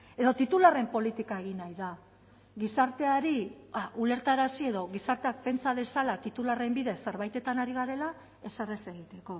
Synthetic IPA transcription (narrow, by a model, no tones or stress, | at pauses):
e̞ðo̞t̪it̪ulare̞mpo̞lit̪ikae̞ɣ̞inajða | ɣisaɾt̪e̞aɾiaʔule̞ɾt̪aeɾasie̞ðo̞ɣisaɾt̪e̞ak̚pe̞nt͡saðe̞salat̪it̪ulare̞mbiðe̞se̞ɾβajt̪e̞t̪anaɾiɣaɾe̞la | e̞sarese̞ɣit̪e̞ko̞